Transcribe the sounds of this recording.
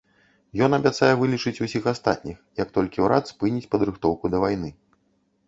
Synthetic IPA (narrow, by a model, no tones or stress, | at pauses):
jɔn̪ɐbʲat̪sajɛvɨlʲit͡ʂɨt͡sʲusʲixast̪a̰t̪̚ʲnʲixjɐkt̪ɔlʲkʲiwɾʔa̰t̪spɨnʲit͡sʲpɐd̪ɾɨxt̪ɔwkud̪ɐvajnɨ